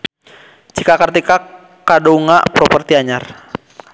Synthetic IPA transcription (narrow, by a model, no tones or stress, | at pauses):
t͡ʃikakart̪ika | kadouŋa̰ʔpɾɔpərt̪iaɲar